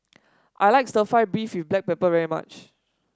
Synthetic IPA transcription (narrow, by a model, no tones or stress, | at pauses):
ʔa̰jlaɪksəfaɪbɹifwifblɛk̚pɛpəvɛɹima̰t͡ʃ